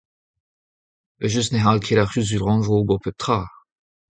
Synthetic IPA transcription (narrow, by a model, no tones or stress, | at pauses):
əʒys̬tneɦalkʰelaʁyzylʁɑ̃ʒobɔpʰøt̪χaː